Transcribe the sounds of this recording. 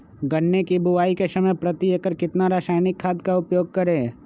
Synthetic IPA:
ɡɐnːekibʊʋaːikesɐməjpɾɐt̪iekəɾkɪt̪naɾaːʃaːjnɪkʰːaːd̪kaʊpjoːɡ̚kɐɾẽː

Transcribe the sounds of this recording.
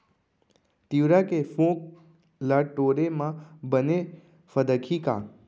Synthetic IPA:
t̪iʋɾakefõk̚ | laʈoɾemãbəne | fəd̪əkʰika̰

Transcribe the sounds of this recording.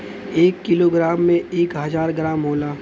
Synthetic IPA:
eːkːɪloːɡɾaːmːẽeːkɦɐzaːɾɡɾaːmɦoːlaː

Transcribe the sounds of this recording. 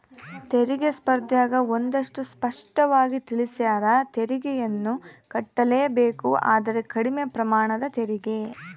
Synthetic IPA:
t̪eɾiɡespɐɾd̪jaːɡɐond̪ɐʂʈuspɐʂʈɐʋaːɡit̪iɭisjaːɾɐt̪eɾiɡɛjɐnːukɐʈːɐleːɐbeːkua̰ːd̪ɐɾe̞kɐɽimepɾɐmaːɳɐd̪ɐt̪eɾiɡe̞

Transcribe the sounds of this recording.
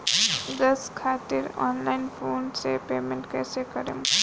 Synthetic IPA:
d̪əskʰat̪iɾɔ̰nlaɪnpʰoɳɖsepemẽɳʈkɛsekəɾḛm

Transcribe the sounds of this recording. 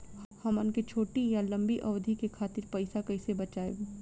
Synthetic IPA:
hɐmɐnket͡ʃʰoːʈijalɐ̃mbiʔɐʋd̪ʱikekʰaːt̪ɪɾpɐɪsakɐɪsebɐt͡ʃaːḛ

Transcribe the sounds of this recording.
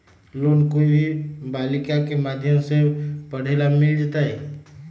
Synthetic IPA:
lonkoibʱibaːlɪkakemad̪ʱjəmsepəɽ̤elamɪld͡ʒat̪aɦɛ

